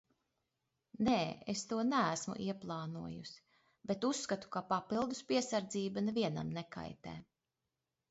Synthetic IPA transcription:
neːest̪uɔnææsmṵʔiɛplˠɑːnuɔjusi̥ | bet̪usːkat̪u̥kapapilˠd̪uspiɛsaɾd̪ziːbanɛviɛna̰mnɛka̰jt̪ɛ̰ː

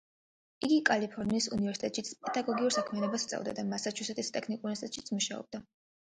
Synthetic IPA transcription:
iɡikʼalipʰɔɾniːsṵnivɛɾsi̥t̪ʼɛt̪ʃit̪sʰpʼɛd̪aɡɔɡiuɾsakʰmianɔbast̪sʼɛ̰vd̪a̰d̪amasat͡ʃʰusɛt̪ʼist̪ʼɛkʰnikʼunsit̪ʼɛt̪ʼʃit̪sʰmuʃaɔ̰b̚d̪a

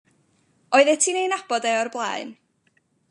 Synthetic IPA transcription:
ɔɨðɛtʰinejnab̥ɔdɛɔrblˠa̰ɨn

